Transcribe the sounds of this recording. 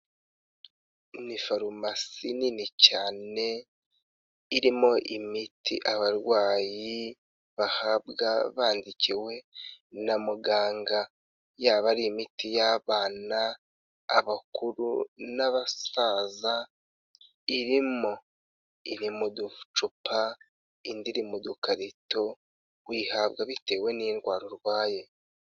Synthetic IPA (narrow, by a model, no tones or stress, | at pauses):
nifaɾumasiniːnicaːne̞ | iɾimo̞ʔimitʰḭʔaβaɾwaːji | βahabɡaβaːndiciwe̞namuɡaːŋɡa | jaːβaɾiːmitijaβaːna̰ː | βakuɾṵnaβasaːza | iɾimo̞ | iɾimudut͡ʃupa | indiɾimudukaɾito̞ | wiːhabɡaβite̞ːwe̞niɾwaːɾoɾwaːje